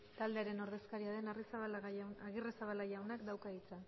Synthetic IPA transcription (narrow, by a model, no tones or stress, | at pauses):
t̪ald̪e̞aɾe̞no̞ɾðe̞skaɾiaðe̞narisaβaɣiresaβalaʝawnakd̪awkait͡sa